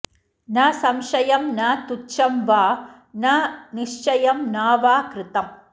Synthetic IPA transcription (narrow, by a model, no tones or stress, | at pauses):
nasɐmʂɐjɐmnat̪ut͡ʃːɐmʋaː | nanɪʂt͡ʃɐjɐmnaːʋaːkɾɪt̪ɐm